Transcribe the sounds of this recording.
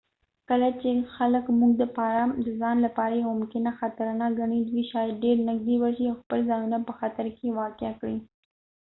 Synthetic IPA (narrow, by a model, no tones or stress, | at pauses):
kəlat͡ʃexaləkmuɡ̚d̪əpɑɾad̪əzɑnlapɑɾajemʊmkɪnaxat̪aɾnɑkɡaɳid̪wiʃɑjad̪̚ɖeɾnaɡd̪iwaɾʃiawxpəlzɑjunapəxat̪aɾkewɑkeakɽi